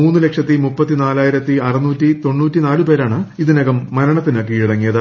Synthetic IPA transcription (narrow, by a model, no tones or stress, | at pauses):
uːnːɨle̞kʂɐt̪ːimupːɐt̪ːinaːlaːjiɾɐt̪ːiɐrɐnuːtːit̪o̞ɳːuːtːinaːlupe̞ːɾaːɳɨiðinɐɣɐmːɐɾɐɳɐt̪ːinɨkːiːɻɽɐŋːijɐðɨ